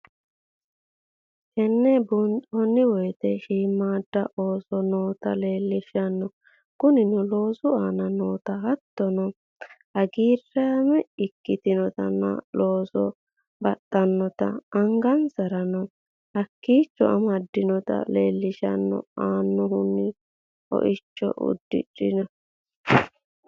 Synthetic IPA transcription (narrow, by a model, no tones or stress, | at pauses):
ʃɛnːɛbʊnt̪ʼɔnːɪwɔjt̪ɛʃiːmːaːd̪ːɐʔo̞ːsɔnoːt̪ɐle̞ːlːɪʃɐnːɔ | kʊnɪnɔloːsʊaːnɐnoːt̪ɐhɐt̪ːɔnɔ | ɐɡiːrːaːmɛɪkːɪt̪ɪnɔt̪ɐ̰nːɐ̰loːsɔ̰ | bɐtʼːɐnːɔt̪ɐ̰ɐŋɡɐnsɐɾɐnɔ | hɐkːiːt͡ʃːɔ̰ʔɐmɐd̪ːɪnɔt̪ɐ̰leːlːɪʃɐ̰nːɔ̰aːnːʊhʊnːɪ | ɔ̰ʔɪt͡ʃːɔ̰ʔʊ̰d̪ːɪ̰ᶑɪnɐ